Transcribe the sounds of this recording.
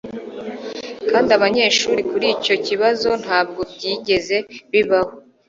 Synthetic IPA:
kaːndiaβaɲe̞ːʃuːɾikuɾiːco̞ciβazo̞n̥haːb̚ɡo̞b̚ɟiːɟe̞ze̞βiβaho

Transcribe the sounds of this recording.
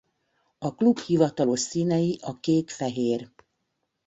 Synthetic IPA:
ɒklubhivɒt̪ɒlo̞ʃsiːnɛjiʔɒkeːkfɛɦeːr

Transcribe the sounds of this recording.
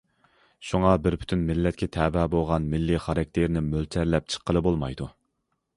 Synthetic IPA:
ʃuŋɑbɪɾpʰy̥t̪ʰynmɪlːɛt̪̚kʲɛt̪ʰɛːbɛːbolˠʁɑnmɪlːiχɑɾɑk̚ʲt̪ʰeɾnɪmølt͡ʃ̪ʰɛɾlɛp̚t͡ʃʰə̥qʰːəlˠɨbolˠmɑ̰jd̪u

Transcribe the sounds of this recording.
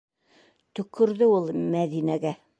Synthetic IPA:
t̪ɵ̆kʰːɵ̆ɾðɘulˠmæðinæɡæ

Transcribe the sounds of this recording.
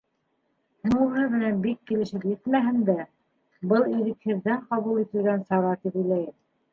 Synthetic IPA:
nuɦɤðmɘ̆nænbikːilɘ̆ʃɘpjɘt̪mæɦɘ̆nd̪æ | bɤlˠiɾɘ̆khɘ̆ðːæɴqɑβulˠit̪ɘ̆lɡænsɑɾɑt̪ipɘ̆jlæjɘk

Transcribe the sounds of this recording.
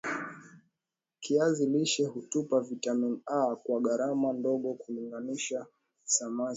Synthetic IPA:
kʰiaziliʃɛhutupavitaminakwaɠaɾamandɔɠɔkuliŋɡaniʃa | sama

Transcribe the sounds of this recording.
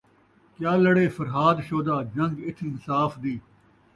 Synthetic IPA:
kjaːləɽeːfʰəɾɦaːd̪ʃoːd̪aːd͡ʒə̃ŋɡɪt̪ʰimɪsaːfd̪iː

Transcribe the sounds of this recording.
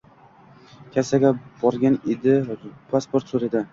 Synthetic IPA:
kʲʰasaɡʲab̥ɒɾɡʲaned̪ɪpʰaspoɾt̪soɾed̪ɪ

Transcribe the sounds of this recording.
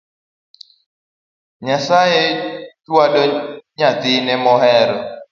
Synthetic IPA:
ɲasajetwalɔɲat̪ɪnɛmɔɦɛɾɔ

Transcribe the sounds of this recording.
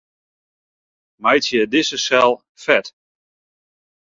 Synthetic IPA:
majtjədɪsəsɛlˠ | fɛt

